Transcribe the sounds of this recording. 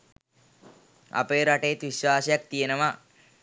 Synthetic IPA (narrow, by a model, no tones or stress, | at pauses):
a̰peːɾaʈejet̪ʋiʃwaːsəjak̚t̪ijenəʋa